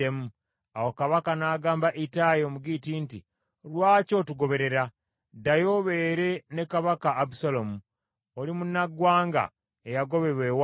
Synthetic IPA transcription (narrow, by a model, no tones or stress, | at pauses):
emu | awokaβakanaːɡaːmbaʔitajomuɡitiːnti | lwaːco̞tuɡo̞βe̞ɾe̞ɾa | dajo̞βe̞ːɾe̞ne̞kaβakaːbusalomu | olimunːaɡwaːŋɡa̰ | ejaɡo̞βe̞ɾwe̞wa